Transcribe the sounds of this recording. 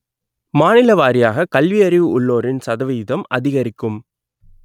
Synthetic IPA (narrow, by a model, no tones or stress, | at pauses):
maːnɪlɐʋaːɾɪjaːɣɐkɐlʋɪɐɾɪʋɯʊɭːoːɾɪnsɐðɐʋɪjɪðɐmɐ̰ðɪɣɐɾɪkːɯm